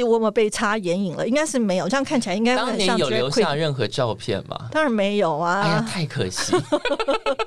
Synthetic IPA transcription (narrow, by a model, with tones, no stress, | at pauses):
wɔ˨˥˩mə˧˨pe˥˩ɪʈ͡ʂʰa˥jɛ˧˥ni˨˩ŋlə̰˦i˥ŋka˥ɪʂɻ̩˥˩me˧˥ɪjo˨˩ʈ͡ʂkʰnt͡ɕʰla˧˥ɪi˥ŋka˥wŋa˨˩n˨˦˥ŋjo˨˩ljo˧˦ʊkwe˥ja˥˧ɻə˥˩nxɤ˧˥ʈ͡ʂɑ˥˧ʊpʰjɛ̰˥˨˩nmɐ̰˨˩t̪ɑ˥ŋɻa˧˦˥nme˧˥ɪjo˨˩ʊa˧˥t̪ʰa˥˩ɪkʰɤ̰˨˩ɕi˧˥